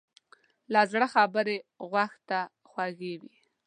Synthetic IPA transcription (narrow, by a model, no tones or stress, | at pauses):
lɑzɽəxabəɾeɣwaxt̪a | xwaɣewi